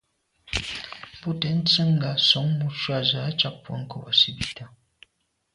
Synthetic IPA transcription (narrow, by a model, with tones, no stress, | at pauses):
pɔ˦tɛ˨˦n̩˦t͡sə˦ŋ̩˨ɡa˨sɔ˨˦ŋmu˦ʃwa˦˨za˨˦t͡ʃa˦k̚pːwɔ̰˨˦ŋ̩˦kɔ˨bɔ˨si˦bi˨ta˦